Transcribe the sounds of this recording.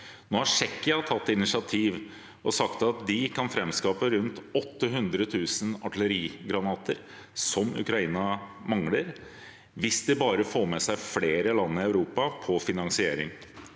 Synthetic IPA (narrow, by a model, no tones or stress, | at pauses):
noːhæʂɛkːɪɑt̪ʰɑt̪ːɪnɪʂɪɑt̪ʰiːʋ | ɔsɑkt̪ɑt̪̚d̪ɪkɑnfɾɛmskɑːpəɾʉnt̪ɔt̪ːəɦʉnd̪ɾət̪ʰʉːsənɑ̰ʈl̩əɾiːɡɾɑnɑːt̪əɾ | sɔmʉ̰kɾɑiːnɑmɑŋləɾ | ʋɪsd̪ɪbɑːɾəfoːɾmɛsæɪfleːɾəlɑnːəɪɑʉɾuːpɑpʰɔfɪnɑŋsɪḛːɾɪ̰ŋ